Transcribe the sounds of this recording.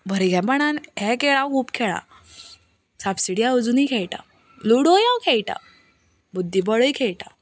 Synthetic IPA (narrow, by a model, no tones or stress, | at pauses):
bʱəɾiɡʱɛ̃baɽ̃anɦɛ̃keɭãkʰuːpkʰeɭa̰ | sabsiɽiaəd͡zuniːkʰeɭʈa̰ | luɽojãwkʰejʈa̰ | bud̪ʱːibəɭəikʰeɭʈa̰